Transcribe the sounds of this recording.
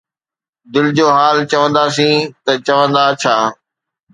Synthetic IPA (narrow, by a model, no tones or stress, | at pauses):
d̪ɪld͡ʑoːɦaːlt͡ɕɐʋə̃nd̪asĩːt̪ɐt͡ɕɐʋə̃nd̪at͡ɕʰaː